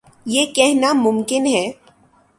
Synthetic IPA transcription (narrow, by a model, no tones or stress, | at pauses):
jeːkɛɦnamʊmkɪnɦɛː